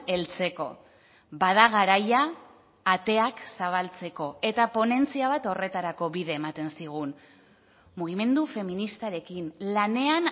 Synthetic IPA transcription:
e̞lt͡se̞ko̞̰ | baðaɣ̞aɾajaː | t̪e̞aksaβ̞alt͡se̞ko̞e̞t̪apo̞ne̞nt͡siaβ̞at̪o̞re̞t̪aɾako̞βiðe̞ːmat̪e̞nsiɣ̞un | muɣ̞ime̞nd̪ufe̞minist̪aɾe̞kinlane̞an

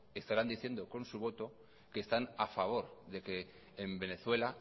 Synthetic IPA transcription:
e̞st̪aɾand̪iθje̞nd̪oko̞nsuβ̞o̞t̪o̞ | ke̞ːst̪anafaβ̞o̞ɾðe̞ke̞ː | mbe̞ne̞θwe̞la

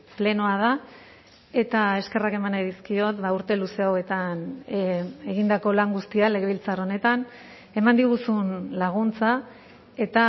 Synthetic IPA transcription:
ple̞no̞að̞a | e̞t̪ae̞ske̞rake̞manajðiskio̞t̪bauɾt̪e̞luse̞awe̞t̪an | e̞ɣind̪ako̞laŋɡust̪iale̞ɣeilt͡saro̞ne̞t̪an | e̞mand̪iɣ̞usunlaɣ̞unt͡sa | e̞t̪a

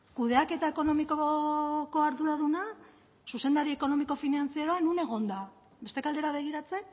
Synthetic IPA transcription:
kuð̞e̞ake̞t̪ae̞ko̞no̞mikoko̞aɾðuɾaðuna | suse̞nd̪aɾie̞ko̞no̞miko̞finant͡siaɾanune̞ɣo̞nd̪a | be̞st̪e̞kald̪e̞ɾaβ̞e̞ɣ̞iɾat͡se̞n

